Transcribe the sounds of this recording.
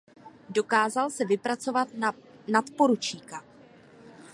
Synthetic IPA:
do̞kaːzalsɛvɪpɾat͡so̞vat̪nat̪po̞ɾut͡ʃiːka

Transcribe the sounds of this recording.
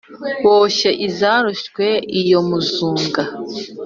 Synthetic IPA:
woʃeʔizaːɾuʃkwe̞ijomuzuːŋɡa

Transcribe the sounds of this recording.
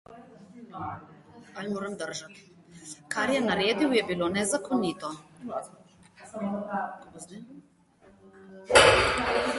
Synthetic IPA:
almoːɾɛmd̪əɾʒat̪ | kaɾjɛnaɾeːd̪iwjɛbilonɛzakonit̪ɔ

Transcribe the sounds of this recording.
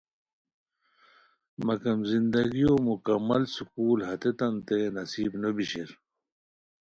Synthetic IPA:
mɐkɐmzind̪ɐɡijoːmukɐmːɐlsukuːlɦɐt̪et̪ɐnt̪enɐsiːbnobiɕeɾ

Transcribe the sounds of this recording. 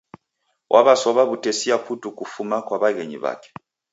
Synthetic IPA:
wʔaβasɔβaβutesiaɸutukufumakwaβaɣeɲḭβa̰ːkɛ̥

